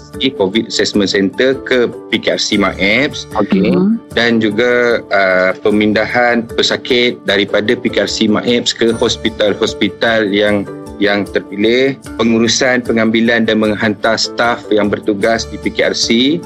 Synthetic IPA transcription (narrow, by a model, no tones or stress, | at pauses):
dikovit̚əsɛsmə̃nsɛnt̪ərkəpikearsimã̰ʔɛp̚sokedand͡ʒuɡaəpəmindahanpəsakɪt̪̚daɾipadapikearsimã̰ʔɛp̚skəhɔspit̪alhɔspit̪aljaŋ | jaŋt̪ərpilɪhpəŋuɾusanpəŋãmbilandanmə̃ŋɦant̪ast̪afjaŋbərt̪uɡasdipikea̰rsi